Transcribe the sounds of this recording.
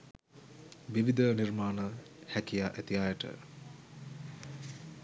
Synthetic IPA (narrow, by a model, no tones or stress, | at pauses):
ʋiʋid̪ənirmaːnə | hækijaːʔæt̪ijaːjəʈə̰